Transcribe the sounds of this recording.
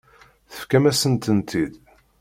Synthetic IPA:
θə̥fkæmæsənt̪ənt̪ʰid̪

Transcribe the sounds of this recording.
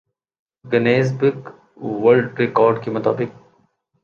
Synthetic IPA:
ɡɐneːzbɪɡ | ʋɐlɖɾekɔːɾɖkemɐt̪a̰ːbɪk̚

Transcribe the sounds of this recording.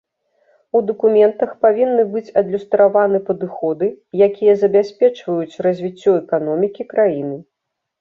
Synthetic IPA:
ud̪ɐkumʲɛnt̪ɐxpavʲinːɨbɨt͡sʲɐd̪lʲust̪ɾavanɨpɐd̪ɨxɔd̪ɨjakʲijɐzɐbʲasʲpʲɛt͡ʂvɐjut͡sʲrɐzʲvʲit͡sʲːɔɛkanɔmʲikʲikɾajinɨ

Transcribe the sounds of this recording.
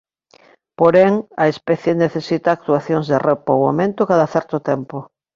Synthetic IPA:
poɾeŋaespɛθjeneθesit̪aːk̚t̪uaθjoŋzðerepowamẽnt̪ʊkaðaθɛɾt̪ʊt̪ɛmpo

